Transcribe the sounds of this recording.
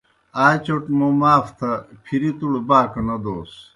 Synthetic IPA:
aːt͡ɕoʈmomaːft̪ʰɐpʰiɾit̪uɽbaːkɐnɐd̪oːs

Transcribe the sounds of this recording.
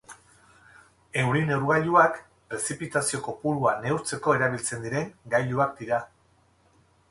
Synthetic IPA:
e̞wɾine̞wɾɣaʎuak | pɾe̞sipit̪asio̞ko̞puɾuane̞wɾt͡se̞ko̞e̞ɾaβilt͡se̞nd̪iɾe̞ŋɡajʎuak̚d̪iɾa

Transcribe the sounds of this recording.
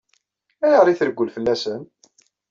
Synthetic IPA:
æjəʁɾˤiθəɾəɡʷːəlfəlːæsən

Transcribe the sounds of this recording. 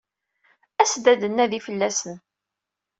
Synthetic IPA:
æsd̪æd̪ənːæðifəlːæsən

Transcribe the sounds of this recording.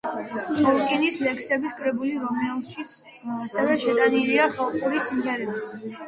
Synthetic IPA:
tʰɔlˠkʼinislɛkʰsɛbisɡʼɾɛbuliɾɔmɛlˠʃit̪sʰ | asɛvɛʃɛt̪ʼaniliaχalˠχʼuɾismiɛɾɛba

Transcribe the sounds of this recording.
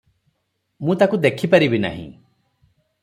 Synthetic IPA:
mũt̪akud̪ekʰipaɾibina̰ɦḭ̃

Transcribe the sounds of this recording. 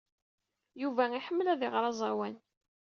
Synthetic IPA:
juvæiħəmːlæðiʁɾˤɑzˤɑwæn

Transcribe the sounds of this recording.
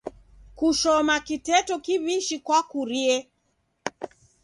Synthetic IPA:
kuʃɔmakitɛtɔkiβiʃikwakuɾiɛ

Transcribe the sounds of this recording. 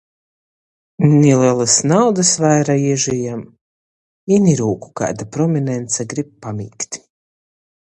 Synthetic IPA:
nʲilɛlˠasnawd̪asvajɾajiʒijam | iniɾuːku̥ka̰ːd̪apɾɔmʲinɛnt̪saɡɾip̚ːamʲiːkt̪ʲ

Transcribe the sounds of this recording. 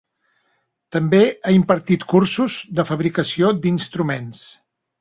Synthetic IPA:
t̪əmbeaimpəɾt̪it̪kursuzd̪əfəβɾikəsiod̪inst̪ɾumens

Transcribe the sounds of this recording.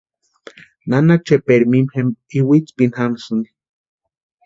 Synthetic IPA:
nanat͡ʃepeɾmimhemiwit͡spinhansuni

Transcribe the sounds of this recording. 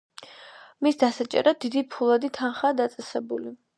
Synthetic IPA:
misd̪asat͡ʃʼɛ̰ɾad̪̚d̪id̪ipʰulˠad̪it̪ʰanχaːd̪at̪sʼɛsɛbuli

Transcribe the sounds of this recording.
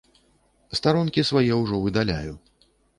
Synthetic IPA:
st̪aɾɔnkʲisvajɛwʐɔvɨd̪alʲa̰ju

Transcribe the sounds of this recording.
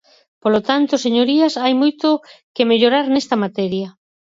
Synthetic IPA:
polot̪ant̪oseɲoɾiasajmojt̪okemeʎoɾaɾnest̪ɐmat̪ɛɾjɐ

